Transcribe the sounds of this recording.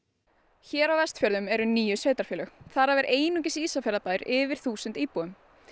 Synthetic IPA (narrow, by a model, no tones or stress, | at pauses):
çɛːɾawvɛst̪fjœɾðʏmɛɾʏniːjʏsveːt̪ɾḁɾfjɪːlœxθaɾavɛɾʔeːjnucɪsiːsafɛɾðapaːjɾɪːvɪɾ̥θuːsʏnt̪iːpuʏm